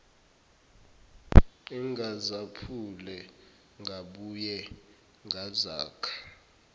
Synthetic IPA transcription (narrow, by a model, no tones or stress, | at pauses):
iŋɡʱazapʰulɛ | ŋʱaɓujɛ | ŋʱazaːkʰḁ